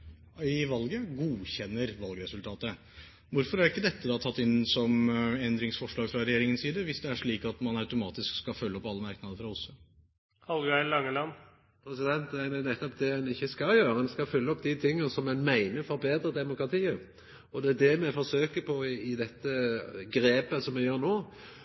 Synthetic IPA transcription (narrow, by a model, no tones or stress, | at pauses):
ɪʋɑlɡəɡuːçɛnːəɾʋɑlɡəɾɛsʉlt̪ʰɑːt̪ə | ʋʊɾfɔɾæɾɪkːəd̪ɛt̪ːəd̪ɑt̪ʰɑt̪ːɪnsɔmɛnd̪ɾɪŋsfɔʂɭɑːɡfɾɑɾɛjeːɾɪŋənsiːd̪əʋɪsd̪ɛæʂɭiːkɑt̪mɑnɑʉt̪ʊmɑːt̪ɪskskɑfœlːəɔpːɑlːəmɑɾknɑd̪əfɾɑʊsːʊ | hɑlɡɑɪlɑŋːəlɑn | pʰɾɛsɪd̪ɛnt̪ɛd̪ænɛt̪ːɔpd̪ɛɛnɪçːəskɑljøːɾəɛnskɑfʉlːəɔpːd̪ɪt̪ʰɪŋːəsɔmɛnmæɪnəfɔɾbeːd̪ɾəd̪ɛmʊkɾɑt̪ʰiːə | ɔd̪ɛæd̪ɛmɛfɔʂøːkəpʰɔɪd̪ɛt̪ːəɡɾeːpəsɔmːɛjøːɾnoː